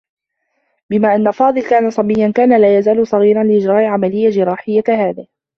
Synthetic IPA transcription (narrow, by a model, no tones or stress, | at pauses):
bɪmaːʔanːafɑːd̪ˤɨlkaːnasˤɑbɪjːankaːnalaːjazaːlʊsˤɑɣiːɾˤɑnlɪʔɪd͡ʒɾˤɑːʔʕamalɪjːad͡ʒɪɾˤɑːħɪjːahaːðɪh